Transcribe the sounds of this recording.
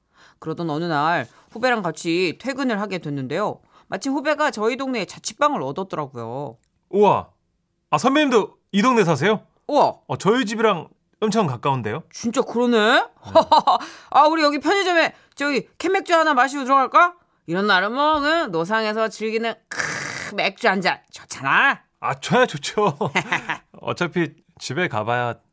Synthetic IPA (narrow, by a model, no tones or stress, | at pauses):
kɯɾʌdʌnʌnɯnaɭ | ɸube̞ɾaŋkat͡ɕʰitʰwe̞ɡɯnɯɭɦaɡe̞dwe̞nːɯnde̞jo | mat͡ɕʰimɸube̞ɡat͡ɕʌidoŋne̞ːt͡ɕat͡ɕʰi̥p͈aŋɯɭʌdʌt̚t͈ʌɾaɡujo̰ | oa̰ | asʰʌnmeʌɲimdo | idoŋne̞sʰas̬ʰe̞jo | oaat͡ɕʌid͡ʑibiɾaŋ | ɯmt͡ɕʰʌŋkak͈aunde̞jot͡ɕint͡ɕ͈akɯɾʌnɯn | auɾijʌɡipʰjʌɲid͡ʑʌme̞ | t͡ɕʌɡikʰemːe̞k̚t͡ɕ͈uɦanamaɕ̬ʰiotuɾʌɡaɭk͈a | iɾʌnːaɾɯmʌɡɯnːos̬ʰaŋe̞s̬ʰʌt͡ɕiɭɡinɯnkmek̚t͡ɕ͈uand͡ʑat͡ɕʌt͡ɕʰana | a̰t͡ɕʌnat͡ɕot͡ɕʰo | ʌ̰t͡ɕʰapʰi | t͡ɕibekabaja